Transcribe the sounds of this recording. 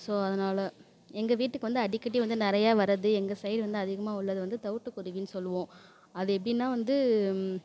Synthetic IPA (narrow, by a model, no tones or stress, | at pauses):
soːɐðɐnaːlɐ | ɛŋɡɐʋiːʈːɯkːɯʋɐnd̪ɯɐɽɪkːɐʈ̬ːiʋɐnd̪ɯnɪɾɐjaːʋɐɾɐðɯɛŋɡɐsɐjɖʋɐnd̪ɯɐðɪɣɐmaːʊɭːɐðɯʋɐnd̪ɯt̪ɐʋɯʈːɯkːʊɾɪʋiːnɯsɔlːɯʋõː | ɐðɯɛp̬ːɐɽɪnːaːʋɐnd̪ɯ